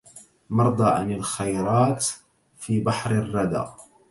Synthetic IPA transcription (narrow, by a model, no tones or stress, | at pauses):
mɑɾˤd̪ˤɑːʕa̰nalxajɾˤɑːt̪ | fiːbaħɾɪrˤːɑd̪a̰ː